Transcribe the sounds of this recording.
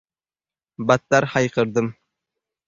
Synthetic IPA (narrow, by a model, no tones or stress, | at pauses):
bat̪ːaɾhɑjqɤ̆ɾd̪ɤm